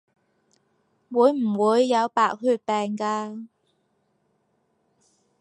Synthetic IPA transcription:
wuː˨˧jm̩˨˩wuː˨˧jːɐ˨˧˥wpaː˨˧k̚hyː˧t̚pɛː˨ŋkaː˧

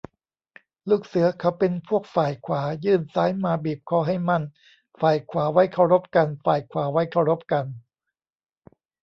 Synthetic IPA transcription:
luː˥˩k̚sɯ˩˦ɐkʰa˦˥˩wpe˧npʰu˥˩ək̚faː˨˩jkʰwaː˩˦jɯː˥˩nsaː˦˥jmaː˧biː˨˩p̚kʰɔː˧˩ɦa˥˩jma˥˩n | faː˨˩jkʰwaː˩˦wa˦˥jkʰa˥˩wɾo˦˥p̚ka˧nfaː˨˩jkʰwaː˩˦wa˦˥jkʰa˥˩wɾo˦˥p̚ka˧n

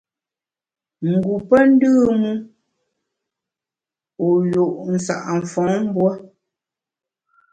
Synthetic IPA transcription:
ŋ̩˨ɡu˨pɛ˦n̩˦dɯː˦mu˦ | o˨jo˨ʔn̩˨sa̰˨ʔɱ˨fɔ̃˨˦ŋm˦bwa˦

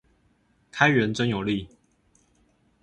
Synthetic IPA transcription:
kʰa˦ɪɥɛ˨˦nt͡sə˦njo˨˩li˥˨

